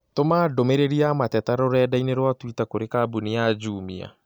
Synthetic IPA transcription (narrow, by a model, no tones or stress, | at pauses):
tomaːdomeɾeɾiamatɛtaɾoɾɛːdaineɾwatwitakoɾekabuniad͡ʒuːmia̰